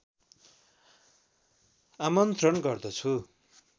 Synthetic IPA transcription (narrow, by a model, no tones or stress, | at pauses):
amʌnt̪rʌnɡʌrd̪ʌt͡sʰu